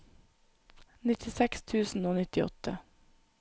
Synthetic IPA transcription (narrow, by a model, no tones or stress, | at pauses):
nɪt̪ʰɪsɛkst̪ʰʉːsn̩oːnɪt̪ɪɔ̰t̪ʰə